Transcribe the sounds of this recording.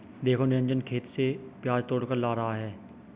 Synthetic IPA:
d̪eːkʰonɪɾə̃ɲd͡ʒənkʰeːt̪sepjaːd͡ʒt̪oːɽkəɾlaːɾɐɦaɦɛː

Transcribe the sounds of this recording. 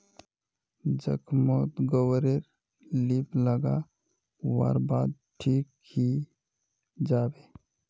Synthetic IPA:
d͡ʒə̰kʰmot̪ɡowəɾeɾ | lipləɡa̰ | wa̰ːɾbaːd̪̚ʈʰiːk | hi | d͡ʒaːbe

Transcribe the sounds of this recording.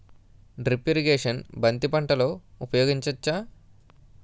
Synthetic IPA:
ɖɾipiɾiɡeːʂɐnbɐnt̪ipɐɳʈɐlo̞ːupɐjoːɡiɲt͡ʃɐt͡ʃːaː

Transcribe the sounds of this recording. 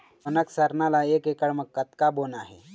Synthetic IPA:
ənəksəɾnalaekekəɽməkkːət̪kabonaɦḛ

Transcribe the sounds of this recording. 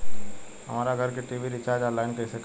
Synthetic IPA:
ɦɐ̰maːɾaɡʱɐɾkeʈiːʋiɾɪt͡ʃaːɾd͡ʒaːlaːɪnkeɪsek

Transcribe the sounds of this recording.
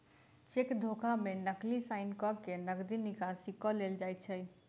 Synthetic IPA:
t͡ʃekd̪ʱokʰamenəklisaɪnkɔkenəɡd̪inikasikɔleld͡ʒajt̪̚t͡ʃʰəj

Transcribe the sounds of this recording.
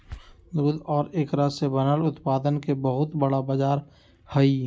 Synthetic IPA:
d̪oːd̪ɔːɾeːkɾasebɐnəlʊt̪paːd̪ənkebɐɦʊt̪bɐɽabaːd͡ʒaːɾ | hɐi

